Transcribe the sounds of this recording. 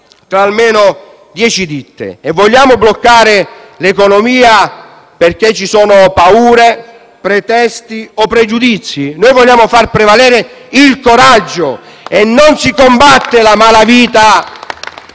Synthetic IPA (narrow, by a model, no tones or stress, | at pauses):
t̪ɾaːlmeːnʊ | d̪jɛːt͡ʃid̪it̪ːḛɛvːɔʎːaːmʊblokːaːɾɪ | lekonɔmiːa | perk̟et͡ʃːisɔːnʊpauːɾe | pɾɛt̪ɛst̪iɔpːɾɛd͡ʒud̪it̪sːjinoːjvɔlʎːaːmʊfarpɾɛvalɛːɾɪ | ilkoɾad͡ʒːʊ | ɛnːonsikombat̪ːɪlamaːlaviːt̪a